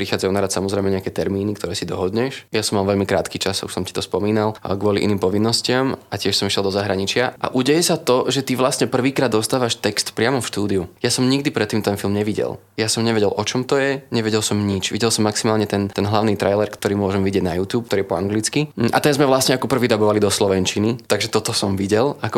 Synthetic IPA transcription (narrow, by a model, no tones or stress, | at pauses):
pɾixaːd͡zajunaɾat̪samɔzɾɛɪmɛɲɛakɛt̪ɛɾmiːnik̚t̪ɔɾɛːsid̪ɔɦɔd̪ɲɛʃjasɔmːalʋɛʎmikɾa̰ːt̪kiːt͡ʃasṵʃsɔmci̥t̪ɔspɔmiːnalɡʋʊɔlḭʔḭniːmpɔʋinːɔscɪamacɪɛʃsɔmiʃjɛlˠd̪ɔzaɦɾaɲit͡ʃɪaʔa̰ʔuɟɛjɛsat̪ɔʒɛt̪iʋlastɲɛpr̩ʋiːkɾaːd̪ːɔst̪aːʋaʃt̪ɛkst̪pɾɪamɔfʃt̪uːd̪iujasɔmɲiɡd̪ipɾɛt̪ːiːmt̪ɛnfilmɲɛʋiɟɛ̰lˠ | jasɔmɲɛʋɛɟɛlʔɔt͡ʃɔmt̪ɔjɛɲɛʋɛɟɛlsɔmɲit͡ʃʋḭɟɛlˠsɔmːaksimaːlɲɛt̪ɛnt̪ɛnɦlaʊniːt̪ɾʔajlɛɾkt̪ɔɾiːmʊɔʒɛmʋiɟɛɟnajuːt̪juːp̚kt̪ɔɾiɛpɔaŋɡlit͡skiʔa̰t̪ɛnzmɛʋlasɲɛakɔpr̩ʋiːd̪abɔʋalid̪ɔslɔʋɛnt͡ʃinit̪aɡʒɛt̪ɔt̪ɔsɔmʋiɟɛlakɔ